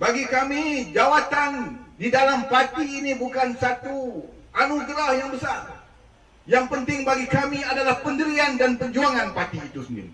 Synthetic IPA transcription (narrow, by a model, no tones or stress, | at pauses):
baɡikamid͡ʒawat̪andidalampat̪iːnibukansat̪uanuɡɾahjaŋbəsar | jaŋpənt̪ɪŋbaɡikamiadalahpəndəɾiandanpəɲd͡ʒuaŋanpat̪iːt̪usənɪ̰n